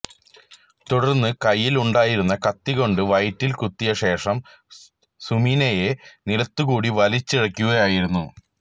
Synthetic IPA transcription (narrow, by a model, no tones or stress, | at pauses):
t̪uɽɐrnːɨkɐjːiluɳɖaːjiɾunːɐkɐt̪ːiɣo̞ɳɖɨʋɐjtːilkut̪ːijɐɕe̞ːʂɐm | suminɐje̞niɽɐt̪ːukuːɽiʋɐlit͡ɕːiɽɐkʲːuɣɐjaːjiɾunːu